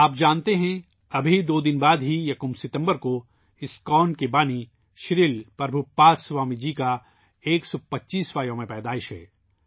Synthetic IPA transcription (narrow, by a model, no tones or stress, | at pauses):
aːp̚d͡ʒaːnt̪eɦɛ̃ | ɐbʱid̪oːd̪ɪnbaːd̪ɦijɐkʊmsɪt̪ə̃mbəɾko | ɪskɔːnkebaːni | ʃɪɾiːlpɾɐbʱupaːswaːmid͡ʒika | eːksɔpɐtːʃiːsʋaːjõmẽpɛːd̪aːɪʃɦɛ̰ː